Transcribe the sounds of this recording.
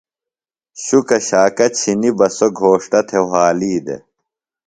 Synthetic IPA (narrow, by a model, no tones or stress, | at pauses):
ɕukɐɕaːkɐt͡ɕʰinibɐsoɡʱoːʂʈɐt̪ʰeɦaːliːd̪ḛ